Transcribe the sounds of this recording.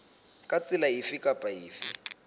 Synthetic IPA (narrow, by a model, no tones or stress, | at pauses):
kʼat͡sʼɪlaifikʼapʼaiːfḭ